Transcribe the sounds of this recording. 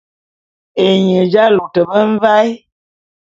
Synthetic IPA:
e˨ɲə˨d͡ʒa˦lo˨tə˨bə˦m̩˦va˦j

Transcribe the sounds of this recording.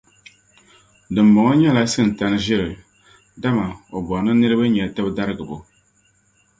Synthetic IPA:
dɨ˨m˨bɔ˨ŋɔ˦ɲɛ˦la˦sɨ˦˨n̩˨ta˨nɨ˦ʒɪ˦ɾɨ˨ | da˦ma˨o˨bɔ˨nɨ˦nɨ˦ɾɨ˦ba˦ɲɛ˨tɛ˦bda˦ɾɨ˦ɡɨ˨bʊ˨

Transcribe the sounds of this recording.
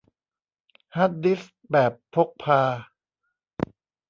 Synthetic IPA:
ha˦˥t̪̚di˦˥s | bɛː˨˩pʰːo˦˥k̚pʰaː˧

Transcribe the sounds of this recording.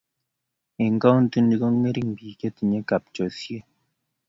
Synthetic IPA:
e˨ŋ˨ka˦wn̩˦tu˦ndi˦ɡo˦ŋe˦ɾi˦m̩˨biː˨ke˦ti˨ɲe˦ka˨p̚t͡ʃɔ˨sje˦

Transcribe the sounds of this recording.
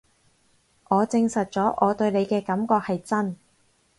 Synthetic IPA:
ʔɔː˨˧t͡sɪ˧ŋsɐ˨t̚t͡sɔː˨˥ʔɔː˨˧t̪ɵ˧ɥne˨˧jkɛː˧kɐ˨˥mkɔː˧k̚hɐ˨jt͡sɐ˥n

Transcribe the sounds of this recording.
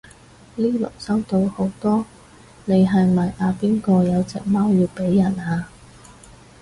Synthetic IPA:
liː˥lʊ̰˨˩k̚sɐ˥wt̪o˧who˨˥wt̪ɔː˥ | ne˨˧jɦɐ˨jmɐ˨jʔaː˨˧piː˥nkɔː˧jɐ˨˧wt͡sɛ̰ː˨k̚mɐː˥wjiː˧wpe˨˥jːɐ˨˩naː˧

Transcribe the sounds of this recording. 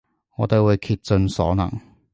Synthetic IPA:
ŋɔː˨˧t̪e˨˧jwuː˨˧jkʰiː˧t̚t͡sɵ˧nsɔ̰ː˨˥nɐ̰˨˩ŋ

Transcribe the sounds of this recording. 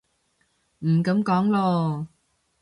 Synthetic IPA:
m̩˨˩kɐ˨˥mkɔː˨˥ŋlɔː˧

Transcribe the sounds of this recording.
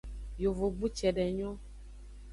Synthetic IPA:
jo˨vo˨ɡ͡bu˦t͡ʃɛ˨ɖɛ˨ɲɔ̃˦

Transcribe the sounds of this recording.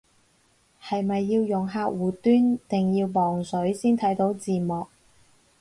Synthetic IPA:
hɐ˨jmɐ˨jːiː˧wjʊ˨˩ŋɦaː˧k̚wuː˨˩t̪yː˥nt̪ɪ˨ŋjiː˧wmɔː˨˩ŋsɵ˨˥ɥsiː˥nt̪ʰɐ˨˥jt̪o˨˥wt͡siː˨˩mɔː˨k̚

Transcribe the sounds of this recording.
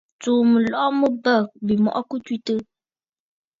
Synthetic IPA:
t͡suː˨mə˨lɔ˦mə˦bə˦˨k̚bi˨mɔ̰˨ʔɔ˦ku˦twi˦tə˦

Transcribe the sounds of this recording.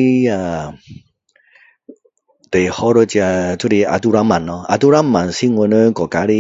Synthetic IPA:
a˧ | t̪e˨hɔ˦ɾə˧t͡ɕja˧t͡su˦ɾi˧a̰˧d̪u˦ɾa˦mã˨nɔ˧a̰˧d̪u˦ɾa˦mã˨nsi˦ŋwə˧nə˦kɔ˨˩ka˨˦ɾi˦

